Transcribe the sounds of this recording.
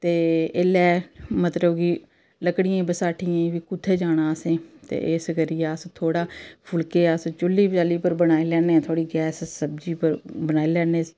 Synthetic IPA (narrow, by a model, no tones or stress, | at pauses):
t̪eːelɛːmət̪ləbki | ləkɽɪjẽːbəsaːʈʰɪjãʋiːkʊt̪ʰːeːd͡ʒaːɽ̃aːsẽːt̪ḛːʔesɡəɾijaːst̪ʰoːɽaːpʰʊlkeːaːst͡ʃʊlːiːpd͡ʒaːliːpəɾbəɽaːiːlɛːnẽːt̪ʰaːɽiːɡɛːssəb̚d͡ʒiːpəɾbənaːilɛːneːsi̥ː